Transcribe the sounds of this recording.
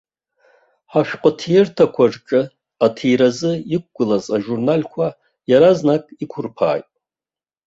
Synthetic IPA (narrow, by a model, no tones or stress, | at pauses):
ħaʃᶣqʼətʰiertʰakʷʰaʐʈ͡ʂʼɨ | atʰijɾazɨik̚ʷɡ̥ʷʊlazaʒurnalkʷʰa | jaɾaznakʼikʷʰʊrpʰa̰ːjtʼ